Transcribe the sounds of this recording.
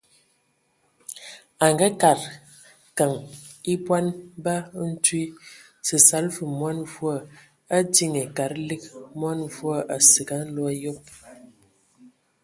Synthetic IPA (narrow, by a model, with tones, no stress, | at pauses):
a˨ŋɡə˦ka˨ɾ | ka˨ŋi˦pwa˦nba˦n̩˦twi˦ | sə˨sa˨˦lfə˨mwa˦nvwa˦˨ | a˦ti˦ŋe˨ka˨ɾli˦k̚mwa˦nvwa˦˨ʔa˨sə˨ɡa˦n̩˦lɔ˦a˦jo˦p̚